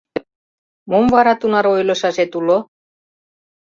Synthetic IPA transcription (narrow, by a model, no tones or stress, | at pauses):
momvɑɾɑt̪unɑɾojlɤ̆ʃɑʒet̪ulo